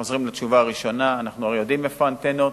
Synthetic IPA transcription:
o̞zʁimlat͡ʃuvaːʁiʃo̞naːnaχnuaʁejod̪imefant̪enot

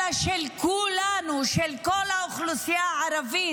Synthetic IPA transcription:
aʃelkulanuʃelkolaoχlusjaaɾavi

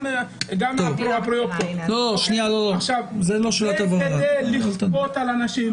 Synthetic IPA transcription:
ɡamoavpapɾojekt̪oloʃnialooaχʃavzeloʃelat̪abanaelibot̪alanaʃi

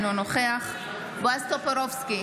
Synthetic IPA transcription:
nonoχeaχ | bast̪opeɾofski

